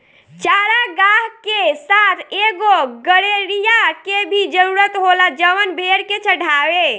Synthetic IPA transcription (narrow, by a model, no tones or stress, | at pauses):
t͡ʃaɾaɡaɦkesat̪ʰeɡoɡəɾeɾijakebʱid͡ʒəɾuɾət̪ɦolad͡ʒəʋənbʱeɽket͡ʃʰəɽ̤ʱaʋe